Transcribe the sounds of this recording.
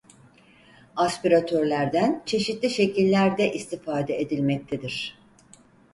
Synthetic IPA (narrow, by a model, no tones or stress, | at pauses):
aspiɾat̪ʰøɾlʲæɾd̪ænt͡ʃʰe̞ʃit̪lʲiʃe̞cilʲːæɾd̪ɛʔist̪ʰifaːd̪ɛed̪ilʲmɛc̚t̪ʰed̪iɾ̥